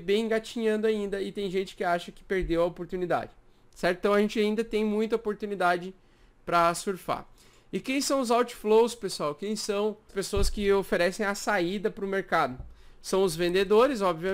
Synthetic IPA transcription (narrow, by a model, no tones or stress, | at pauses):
bẽj̃ɡat͡ʃiɲɐ̃nd̪ʊaĩnd̪ɐɪt̪ẽj̃ʒẽnt͡ʃɪ̥kɪaʃɐkɪ̥peɾd̪ewɐopoɾt̪unid̪a̰d͡ʒɪ | sɛɾt̪t̪ɐ̃w̃ɐʒẽnt͡ʃɪaĩnd̪ɐt̪ẽj̃mũj̃t̪ɐopoɾt̪unid̪ad͡ʒɪ | pɾɐsuɾfa̰ | ɪkẽj̃sɐ̃w̃ʊzawt͡ʃɪ̥flowspesuawkẽj̃sɐ̃w̃spesoɐskɪofeɾɛsẽj̃ɐsaid̪ɐpɾʊmeɾkad̪ʊsɐ̃w̃ʊzvẽnd̪ed̪oɾɪzɔbviɐ